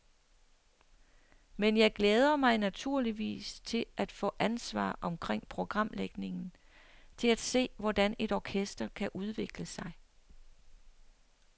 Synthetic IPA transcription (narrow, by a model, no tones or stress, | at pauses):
menjɑ̈ɪɡ̥leːð̞ˠɐmɑ̈ɪnæt͡sʰuɐ̰liʋḭːst͡sʰe̝lʔæd̥fɔ̰̽ːʔænsʋɑ̰̈ːʔɒ̽mkʰʁeŋ̰pʰʁo̝ɡ̥ʁɑ̈m̰leɡ̥ne̝ŋn̩ | t͡sʰe̝læd̥se̝̰ːʋɒd̥æne̝ɾɒkʰesd̥ɐkʰæʔuð̞ˠʋe̝ɡ̥ləsɑ̈ɪ